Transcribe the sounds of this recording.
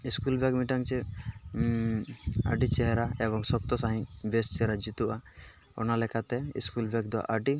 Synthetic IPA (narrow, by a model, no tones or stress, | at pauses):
iskulbɛkmiʈaŋt͡ʃɛ | aɖit͡ʃɛɦɛɾaɛbɔŋsɔb̚t̪ɔsaɦĩbest͡ʃɛɦɾad͡ʒit̪uʔa | ɔ̰nalɛkat̪ɛḭskulbɛk̚d̪ɔwa̰ʔaɖi